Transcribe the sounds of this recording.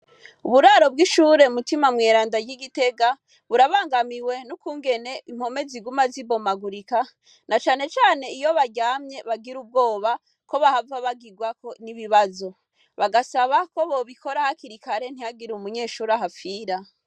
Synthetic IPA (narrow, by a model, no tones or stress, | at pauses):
uβuɾaːɾo̞bɡiʃuːɾe̞umutimamŋeːɾaːndajiɡite̞ɡa | βuɾaβaːŋɡamiwe̞nukuːŋɡe̞ne̞im̥ho̞me̞ziɡumazibo̞maɡuɾika | nat͡ʃaːne̞t͡ʃaːne̞ijo̞βaɟaːmɲe̞βaɡiɾub̚ɡo̞ːβa | ko̞βahavaβaɡiɡwako̞niβiβazo̞ | βaɡasaβako̞βo̞βiko̞ɾahakiɾikaɾe̞n̥hijaɡiɾuumuɲe̞ːʃuːɾaɦafiːɾa